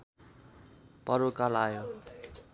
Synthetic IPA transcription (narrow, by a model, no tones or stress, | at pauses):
pʌɾukalajo